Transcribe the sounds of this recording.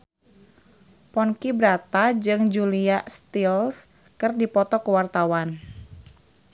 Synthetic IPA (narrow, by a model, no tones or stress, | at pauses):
pɔnkibɾat̪ad͡ʒɨŋd͡ʒuliast̪ils | kɨrdipɔt̪ɔkəwart̪awan